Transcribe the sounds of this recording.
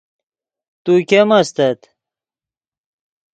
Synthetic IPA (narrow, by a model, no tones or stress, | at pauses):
t̪ukʲemɐst̪ɐt̪